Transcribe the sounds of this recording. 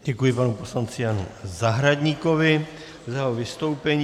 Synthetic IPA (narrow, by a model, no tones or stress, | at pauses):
ɟɛkujɪpanupo̞slant͡sɪjanṵzaɦɾaɟɲiko̞vɪ | zaɦovɪst̪o̞wpɛɲ